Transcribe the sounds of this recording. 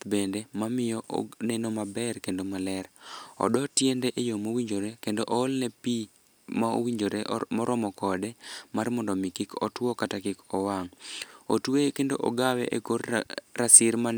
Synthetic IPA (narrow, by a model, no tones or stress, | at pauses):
bendemamɪjɔʔnenomabɛrkendomalɛɾɔ̰dɔtjendeʔejomowiɲd͡ʒoɾekendoʔoolnɛpi | mao̰wiɲd͡ʒoɾemɔɾʔɔmɔkɔdɛmarmɔndɔmikikɔ̰twɔkatakɪkɔwaŋo̰twekendo̰ʔoɡawɛ̰ʔekorːasɪɾman